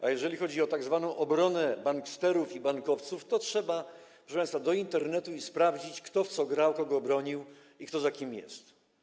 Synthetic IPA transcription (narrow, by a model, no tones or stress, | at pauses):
ʔajɛʐɛlʲixɔd͡ʑiɔt̪aɡzvanɔ̃w̃ʔɔbɾɔnɛbaŋkst̪ɛɾufibaŋkɔft̪suft̪ɔtʂɛba | pʂɛʂɛpãj̃st̪fad̪ɔint̪ɛɾnɛt̪uispɾavd͡ʑit͡ɕkt̪ɔft̪sɔɡɾawkɔɡɔːbɾɔɲiw | ikt̪ɔzakʲimjɛ̰st̪